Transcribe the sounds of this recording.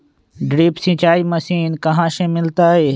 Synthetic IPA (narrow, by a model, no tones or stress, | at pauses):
ɖɾiːpsĩːt͡ʃaːiːməsiːnkəɦãːʃẽːmɪlt̪aːɦeː